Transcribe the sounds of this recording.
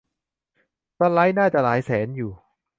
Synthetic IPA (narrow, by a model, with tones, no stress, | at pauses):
ta˦˥la˦˥jnaː˥˩t͡ɕa˨˩laː˩˦jsɛː˩˦njuː˨˩